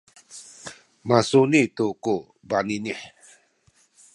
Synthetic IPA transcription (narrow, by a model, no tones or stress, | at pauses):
masunit̪uko | baniniħ